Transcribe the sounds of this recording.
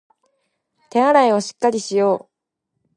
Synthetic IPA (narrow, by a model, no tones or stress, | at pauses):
t̪e̞aɾaio̞ɕi̥kːaɾʲiɕijo̞ː